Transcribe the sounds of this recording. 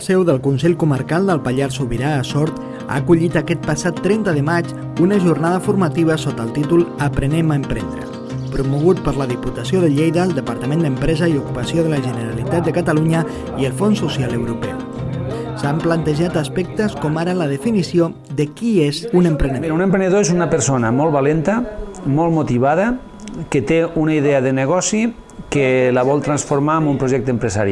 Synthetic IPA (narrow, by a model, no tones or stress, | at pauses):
sɛwðəlˠkunsɛʎkuməɾkalˠd̪əlˠpaʎaɾsuβiɾaːsɔɾt̪ | a̰ːkuʎit̪akɛt̪̚pasat̪ːɾɛnt̪əðəmat͡ʃ | unəʒurnað̞əfuɾmət̪iβ̞əsot̪əlˠt̪it̪ulˠəpɾəneməəmpɾɛnd̪ɾə̰ | pɾumuɣ̞ut̪̚pəɾləðiput̪əsioðəʎejðəːlˠd̪əpəɾt̪əmẽnd̪əmpɾɛzəiukupəsioðələʒənəɾalit̪at̪̚d̪əkət̪əluɲə | iəlˠfonsusjaləwɾupɛ̰ | samplant̪əʒat̪aspɛk̚t̪əskɔmaɾələð̞əfinisio | ðəkiezunəmpɾəneiɾunempɾenəðoezunəpəɾsonəmɔlˠβalent̪əmɔlˠmot̪iβaðə | kət̪eunaiðeəðənəɣɔsi | kelaβɔlˠt̪ɾansfoɾmaːmumpɾoʒɛk̚t̪əmpɾəsaɾ